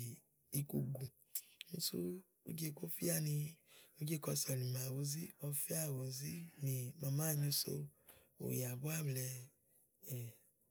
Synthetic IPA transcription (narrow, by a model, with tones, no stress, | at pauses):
i˧ku˧ɡu˨ | ñ̩˦sṵ˦ | ṵ˦d͡ʒe˦˧˨ko˦fi˦a˦˨nĩ˧u˦d͡ʒe˦˨kɔ˧sɔ˨ni˨ma˨wo˨˦zi˦ɔ˧fi˦a˦˨wo˨zi˦nĩ˧mã˧mã˦˨ɲĩ˧˦so̰˧˦ | o̰˨ja˨bu˦a˦˨blɛ˧ | ɛ˨